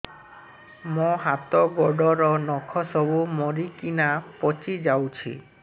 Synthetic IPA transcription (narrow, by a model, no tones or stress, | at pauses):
mɔ̃ɦat̪ɔɡɔɖɔɾɔnɔkʰɔsɔbumɔɾikinapɔt͡ʃid͡ʒawt͡ʃʰḭ